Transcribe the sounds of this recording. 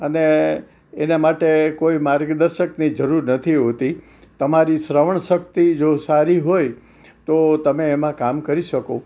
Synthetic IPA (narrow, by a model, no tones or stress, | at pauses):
əne | enamaʈekoimaɾɡəd̪əɾʃəknid͡ʒəɾuɾnət̪ʰiɦot̪i | t̪əmaɾisɾəʋəɳʃək̚t̪id͡ʒosaɾiɦoj | t̪ot̪əmeːmãkamkəɾiʃəko